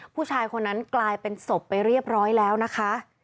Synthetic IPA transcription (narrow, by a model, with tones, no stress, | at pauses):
pʰuː˥˩t͡ɕʰaː˧jkʰo˧nːa˦˥nklaː˧jpe˧nso˨˩pːa˧jɾi˥˩əp̚ɾɔː˦˥jlɛː˦˥wna˦˥kʰa˦˥ʔ